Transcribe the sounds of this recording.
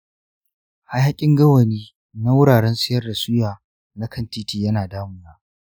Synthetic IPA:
ha˦jha˦kʲʼɪ˦ŋɡɐ˦wɐ˨niː˦ | na˦wʊ˦ɽaː˨ɽɛ˦nsʼɪ˦jɐ˦rda˨sʊ˦jaː˨ | na˦kɐ˦˨ntiː˦tiː˨jɐ˦naː˨daː˦mʊ˦naː˦

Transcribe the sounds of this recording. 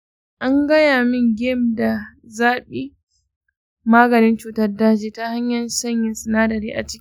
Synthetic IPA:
ʔa˦ŋɡɐ˦jaː˨mɪ˦ŋɡʲɪ˦mda˨zaː˦ɓiː˦ | maː˦ɡɐ˨nɪ˦nt͡ʃuː˨tɐ˦rdaː˦d͡ʒiː˨ta˦ha˦ɲjɐ˨nsɐ˦ɲjɪ˨nsɪ˨naː˦dɐ˨ɾiː˦ʔa̰˨t͡ʃɪ̥˦kʲi˦

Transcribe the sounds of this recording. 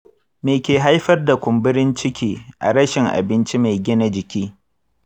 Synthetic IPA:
meː˨kʲeː˨ɦa˦jɸɐ˦rda˨kʷʊ˨mbɪ˦ɾɪ˦nt͡ʃɪ˦kʲʰiː˦ʔa̰˨ɽɐ˦ʃɪ˨ŋʔa̰˨bɪ˦nt͡ʃi˦ma˨jɡʲɪ˦na˦d͡ʒɪ˨kʲiː˦

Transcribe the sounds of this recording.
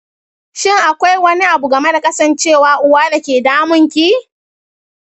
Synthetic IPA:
ʃɪ˦˨ŋʔa˨kʷa˦jwɐ˦ni˦ʔa˨bu˨ɡɐ˨me˦da˨kʼɐ˦sɐ˨nt͡ʃeː˦˨waː˨ʔʊ˦waː˦da˨kʲeː˨daː˦mʊ˦ŋkʲi˦

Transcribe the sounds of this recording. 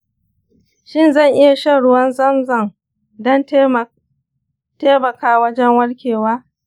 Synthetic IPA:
ʃɪ˦˨nzɐ˦˨ŋʔɪ˦ja˨ʃɐ˦ɽʊ˦wɐ˦nzɐ˦mzɐ˨ŋ | dɐ˦n | teː˦mɐ˨kaː˦wɐ˦d͡ʒɛ˦ŋwɐ˦ɽkʲeː˨waː˦

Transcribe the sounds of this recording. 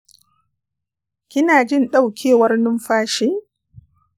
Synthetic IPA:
kʲɪ˦naː˨d͡ʒɪ˦nɗa˦˨wkʲʰeː˦wɐ˦rnʊ˦mɸaː˦ʃeː˦

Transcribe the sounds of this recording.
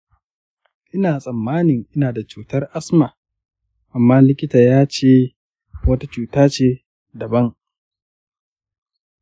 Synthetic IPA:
ʔɪ˦naː˨sʼɐ˨mːaː˦nɪ˨ŋʔɪ˦naː˨da˨t͡ʃuː˨tɐ˦rʔa˦sma˨ | ʔa˨mːaː˦lɪ˦kʲɪ˦taː˨jaː˦t͡ʃeː˦ | wɐ˦ta˦t͡ʃuː˨taː˦t͡ʃeː˦ | dɐ˨bɐ˦ŋ

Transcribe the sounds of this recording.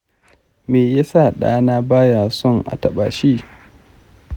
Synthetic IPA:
meː˨ja˦sa˦˨ɗa̰ː˦naː˦baː˦jaː˨sɔ˦˨ŋʔa̰˨tɐ˨ɓa̰ː˨ʃiː˦

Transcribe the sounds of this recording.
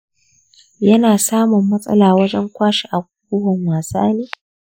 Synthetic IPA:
jɐ˦naː˨saː˦mʊ˨mːɐ˦sʼɐ̰˦laː˨wɐ˦d͡ʒɛ˦ŋkʷaː˦ʃi˨ʔa˨ɡʷu˦ʊ˦wɔ˨ŋwaː˨sa̰ː˦neː˦

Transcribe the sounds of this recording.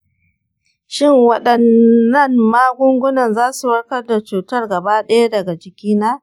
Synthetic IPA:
ʃɪ˦˨ŋwɐ˦ɗɐ˨nːɐ˦˨mmaː˦ɡʷʊ˦ŋɡʷʊ˦nɐ˨nzaː˦su˨wɐ˦ɽkɐ˦rda˨t͡ʃuː˨tɐ˦rɡɐ˨baː˦ɗɐ˦ja˦dɐ˨ɡa˨d͡ʒɪ˨kʲiː˦naː˦

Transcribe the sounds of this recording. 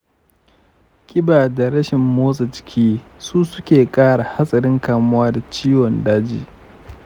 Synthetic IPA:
kʲʼɪ˦baː˨da˨ɽɐ˦ʃɪ˨mːoː˦sʼɐ˨t͡ʃɪ̥˦kʲʰiː˦suː˦sʊ˦kʲeː˨kʼaː˦ɽa˨ha˦sʼɐ˨ɾɪ˦ŋkaː˨mʊ˦waː˦da˨t͡ʃiː˦wɔ˨ndaː˦d͡ʒḭː˨

